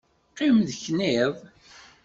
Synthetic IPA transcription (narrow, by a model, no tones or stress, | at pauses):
qːimðçniv